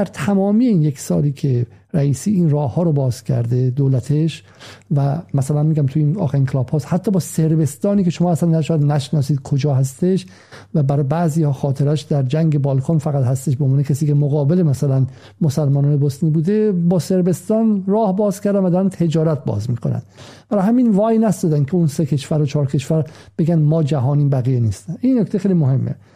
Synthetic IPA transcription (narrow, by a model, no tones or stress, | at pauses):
d̪æɾt̪ʰæmɒːmiːeiːnje̞ksɒ̰ːliːkʰe | ɾæiːsiːiːnrɒːhːɒːɾobɒːz̥cʲʰæ̰ɾd̪e̞d̪oːlæt̪ʰeʃ | væmæsælænmiːɡæmt̪ʰuiːnɒ̰ːxæɾiːŋkʰelɒːb̥hɒːshæt̪ʰːɒːbɒːseɾbe̞st̪ɒːniːkʰeʃomɒːæsænːæʃɔjæd̪næʃnɒːsiːd̪̥̚kʰod͡ʒɒːɦæst̪eʃ | væbæɾɒːjbæʔziːhɒːxɒːt̪ʰe̞ɾæʃd̪æɾd͡ʒæŋɡe̞bɒːlkʰɑːnfæɣæt̪hæst̪eʃbeonvɑːnekʰæsiːke̞moɣɒːbelemæsælæn | mosælmɒːnɒːnebost̪niːbuːd̪e̞bɒːse̞ɾbe̞st̪ɒːnrɒːhbɒːzkʰæɾd̪ænvæd̪æɾunt̪ʰe̞d͡ʒɒːɾæt̪̚bɒ̰ːzmiːkʰonæ̰nd̪b̥æɾɒhæmiːnvɒːjnæst̪ɔd̪ænkʲʰeunsekʰe̞ʃvæɾot͡ʃʰɒːɾkʰe̞ʃvæɾb̥eɡænmɒːd͡ʒæɦɒːniːbæɣijeniːst̪ænʔinːokt̪ʰexejlimohe̞mːḛ